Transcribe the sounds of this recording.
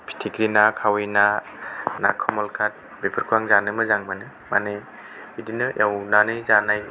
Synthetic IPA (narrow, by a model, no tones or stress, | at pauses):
pʰi̥tʰiɡɾinakʰawina | na̰kʰɔmɔlkʰat̚ | bepʰɯɾkʰuaŋzanɯmɯzaŋmɯnɯ | ma̰ne | bidinɯjawnanɯzanaj